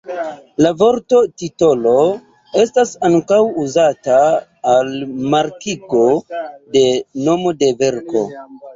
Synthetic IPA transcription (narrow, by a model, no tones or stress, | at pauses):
lavo̞ɾto̞tito̞lo̞ | e̞stasaŋkawuzataː | lmaɾkiko̞de̞no̞mo̞de̞ve̞ɾko̞